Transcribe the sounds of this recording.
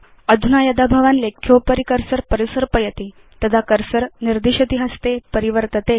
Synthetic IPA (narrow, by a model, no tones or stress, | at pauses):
əd̪ʱunajəd̪abʱaʋanlekʰjopəɾikəɾsəɾpəɾisəɾpəjət̪i | t̪əd̪akəɾsəɾniɾd̪iɕət̪iɦəst̪epəɾiʋəɾt̪ət̪e